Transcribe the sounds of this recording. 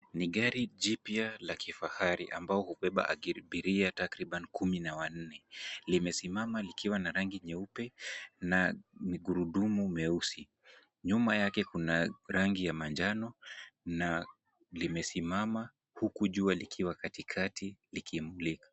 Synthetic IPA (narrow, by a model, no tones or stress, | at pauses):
niɠaɾiʄipjalakʰifahaɾiʔa̰mbaɔhupɛɓa̰ʔa̰ɓiɾiatakɾiɓanikuminawan̩nɛlimɛsimamalikiwanaɾaŋɡiɲɛupɛnamiɡuɾuɗumumɛusi | ɲumajakɛkunaɾaŋɡijamaɲd͡ʒanɔna | limɛsimama | hukuʄualikʰiwakatikʰatilikʰimulikḁ